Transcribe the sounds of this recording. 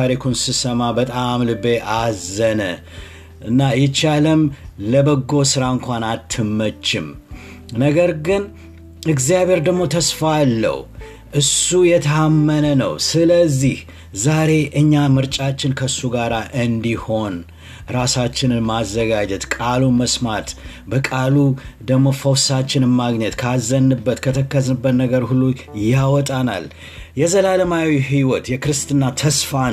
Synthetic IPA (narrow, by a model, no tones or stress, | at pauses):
aɾikʰunsɨsəmabət̪ʼamlɨbeʔazənə̰ | ʔɨnːajɛt͡ʃaləmləbəɡːo̞sɨɾaɨŋkʷanat̪ʰːɨmːət͡ʃːɪm | nəɡəɾɡɨn | ɨɡzijaβe̞ɾd̪əɡmo̞t̪ʰəsfalːə̰w | ʔɨsujɛt̪ʰəamːənənə̰wsɨləzːih | zaɾe̞ʔɨɲːamɨɾt͡ʃʼat͡ʃːɪnkʰəɨsːuɡaɾaʔɨnd̪iho̞n | ɾasat͡ʃːɪnɨnmazːəɡad͡ʒɛt̪kʼaluməsmat̪ | bəkʼalud̪əɡmːo̞fəwsat͡ʃːɪnɨmaɡɲɛt̪kʰazːənːɨbːət̪kʰət̪ʰəkːəzɨbːət̪nəɡəɾhulːujawɔt̪ʼana̰l | jɛzəlaləmawiɦiwɔt̪jɛkɨɾɨst̪ʼɨnːat̪ʰəsfa